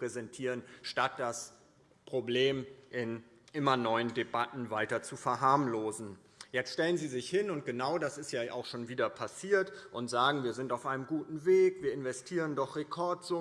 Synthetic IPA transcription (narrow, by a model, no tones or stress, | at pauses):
pʁ̥ɛzɛntʰiːʁənʃtat̚d̥as | pʁ̥obleːmʔɪn | ʔɪmɐnɔʏəndebatn̩vaɪtɐt͡sufɛɐɦaɐmloːzn̩ | jɛt͡stʃtɛlənziːzɪçhɪnʊnt̚ɡ̥ənaʊdasɪstjaːʔa̰ʊxʃoːnviːdɐpʰasiːɐtʔʊntz̥aːɡŋ̩viːɐzɪntaʊfʔaɪnəmɡuːtn̩veːkv̥iːɐɪnvɛstʰiːʁ̞əndɔχʁ̥ekʰɔɐtz̥ʊ